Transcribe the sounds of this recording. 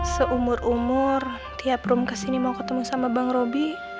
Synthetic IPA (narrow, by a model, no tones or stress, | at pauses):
səʔumʊrumʊr | t̪iapɾumkasinimawkət̪əmusamabaŋɾobi